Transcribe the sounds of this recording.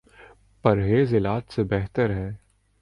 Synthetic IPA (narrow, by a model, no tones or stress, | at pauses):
pɐɾɦeːzɪlaːt̪sebɛɦt̪əɾɦɛː